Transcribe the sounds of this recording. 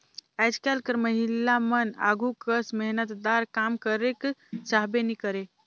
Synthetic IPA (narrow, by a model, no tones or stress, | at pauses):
ɛd͡ʒkɛlkəɾməɦilːaməna̰ɡʱukəsmeɦnət̪d̪aɾkamkəɾekt͡ʃaɦbenikəɾe